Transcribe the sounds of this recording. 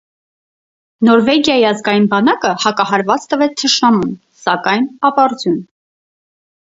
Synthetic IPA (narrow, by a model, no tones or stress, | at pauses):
nɔɾvɛɡjɑjiɑzɡɑjinbɑnɑkəhɑkɑɦɑɾvɑt͡st̪əvɛt͡sʰt̪ʰəʃnɑmun | sɑkɑjnɑpɑɾd͡zjun